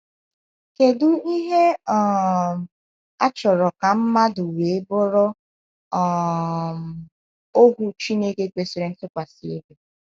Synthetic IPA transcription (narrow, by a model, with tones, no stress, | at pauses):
ke˨dʊ˦i˦ɦe˦ɔ˨ | a˦t͡ʃɔ˨ɾɔ˨ka˨m̩˦ma˦dʊ˨we˨e˦bʊ˦ɾɔ˦ | ɔ˨ | o˦ɦu˦t͡ʃi˦ne˦ke˦kʷe˨si˦ɾe˦ŋ̩˦kɪ˦kʷa˨si˨e˦be˨